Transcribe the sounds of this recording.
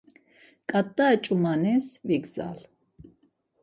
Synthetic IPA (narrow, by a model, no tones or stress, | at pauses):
kʼat̪ːaɛt͡ʃʼumanɛsviɡza̰l